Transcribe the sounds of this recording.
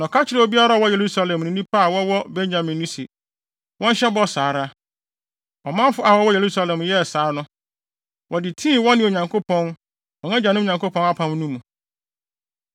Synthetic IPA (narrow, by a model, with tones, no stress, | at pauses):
nɔ̃˨kʰa˦t͡ɕʰɪ˨ɾɛ˦o˨bi˦a˦ɾa˦˨wɔ˦je˨ɾu˦sa˦lɛ̃˨mnĩ˨˦nĩ˦pʰa˦a˨wɔ˦wɔ˦bẽ˦nd͡ʑã˨mĩ˨nnĩ˦sḭ˨ | wɔ̃˦n˦ɕɛ˦bɔ˦saː˨ɾa˦ | ɔ˨mã˦m˦fʊ˦a˨wɔ˦wɔ˦je˨ɾu˦sa˦lɛ̃˨mjɛ˦˨saː˨˦nʊ̃˦ | wɔ˨dɪ˨tʰĩː˦˨wɔ̃˦nːɪ̃˨o˨ɲã˨ŋkʰo˦pʰɔ̃˦n | wɔ̃˨nã˦d͡ʑa˨nɪ̃˦˨ɲã˨ŋko˦pʰɔ̃˦na˦pʰã˦m˦nũ˦mũ˨